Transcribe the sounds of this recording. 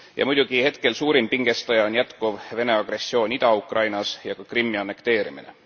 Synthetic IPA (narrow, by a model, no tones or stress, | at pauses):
jɑ̰mujd̪̥uɡ̥ihe̞t̪ke̞lsuːɾimpiŋɡ̥e̞st̪ɑjɑonjæt̪kuvve̞ne̞ɑɡ̥re̞sːjo̞ːnʲid̪̥ɑukrʔɑjnɑsjɑkɑkrimːiɑnːe̞kt̪e̞ːɾimine̞̰